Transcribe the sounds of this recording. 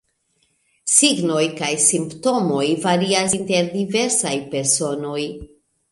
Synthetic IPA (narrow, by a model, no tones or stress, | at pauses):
siɡno̞jkajsimpto̞mo̞jvaɾiasinte̞ɾdive̞ɾsajpe̞ɾso̞no̞j